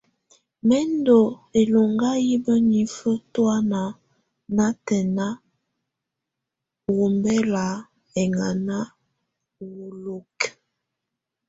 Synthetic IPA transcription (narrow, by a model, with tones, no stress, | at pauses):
mɛ˦ndo˨e˨lo˨ŋɡa˦ji˦bə˦ni˨fə˦twa˦na˨ | na˦tɛ˨na˦ | wo˨mbɛ˦la˨ | ɛ˨ŋa˨na˦ | wo˨lo˨k